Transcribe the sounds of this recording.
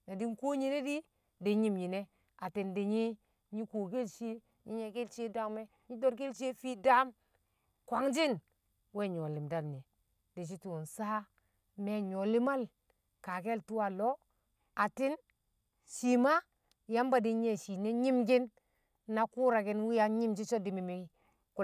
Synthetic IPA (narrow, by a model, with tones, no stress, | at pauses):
na˨di˦nko˦ɲi˨ne˦di˦ | de˨ɲi˦mɲi˨ne˦ | a˨ti˨nde˨ɲi˦ | ɲi˦ko˨ke˦lʃi˦ | ɲi˦ɲe˨ke˦lt͡ʃe˦da˦me˦ | ɲi˦do˦ɾke˦lt͡ʃe˦fi˦da˦m | kʷa˨˦ŋd͡ʒi˦n | we˦˨ɲo˨li˨mda˨mni˨ | di˨t͡ʃ̬i˦tu˨nsa˦ | me˨ɲo˨li˦ma˦l | ka˨ke˦˨ltu˦wa˨lo˦ | a˨ti˦n | ʃi˨ma˦ | ja˦mba˦di˨ɲe˦˨ʃi˨ne˦ɲi˦mɡi˦nː | a˨ku˦ɾa˨ki˦nwi˦ja˨˦ɲi˦md͡ʒi˦t͡ʃo˦di˨mi˨mi˨˦ | ku˦